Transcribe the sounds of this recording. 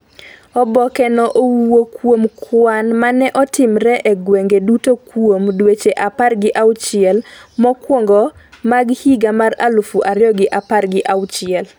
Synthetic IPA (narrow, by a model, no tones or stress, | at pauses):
ɔbɔkɛnɔʔowwokwomkʰwanmanɛʔɔtɪmɾɛʔeɡweŋɡedutokwomdwet͡ʃeʔaparɡɪʔawt͡ʃɪɛlmɔkwoŋɡɔ | maɡhiɡamaɾa̰lufuʔaɾɪɔɡɪʔaparɡɪʔawt͡ʃɪɛl